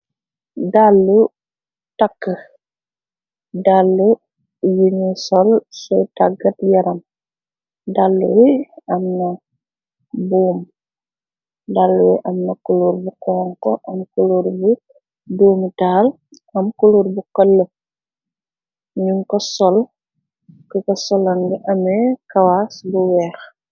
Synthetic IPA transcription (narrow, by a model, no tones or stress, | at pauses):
dalːu | takːə | dalːu | juɲɛsɔlsɛtaɡɐtjɐɾɐm | dalːuwiɐmnɐ | buːm | dalːuwɛʔɐmnɐkuluːɾbukɔːŋkɔʔɐmkuluɾbu | doːmitaːl | ɐmkuluɾbukɔlːə | ɲuŋkɔsɔl | kɔkɔsɔlɐnɡiʔɐmɛkɐwasbuwɛːx